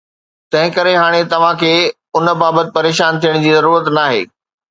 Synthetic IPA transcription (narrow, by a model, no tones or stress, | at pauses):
t̪ɐ̃ɦɪ̃kɐɾeɦaːɽ̃et̪ɐʋ̤ãkʰeː | ʊnə̆baːbət̪ɪ̥̆pɐɾeːʃaːnt̪ʰijəɽ̃d͡ʑiːzɐɾuːɾət̪naːɦḛː